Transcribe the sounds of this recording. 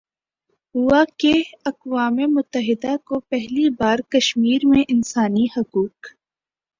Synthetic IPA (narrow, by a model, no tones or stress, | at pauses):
ɦʊakeɐqwaːmemʊt̪ːəɦɪd̪akopɛɦlibaːɾkɐʃmiːɾmẽʔɪnsaːnihɐkuːk